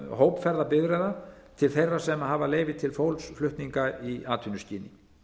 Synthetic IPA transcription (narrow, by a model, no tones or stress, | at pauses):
ɦowpfɛɾðapɪðɾɛða | t̪ʰɪlθejrːḁsɛmaɦaːvaleːjvɪt̪ʰɪlfowlsflʏht̪niŋkaiaːt̪ʰynʏsciːnɪ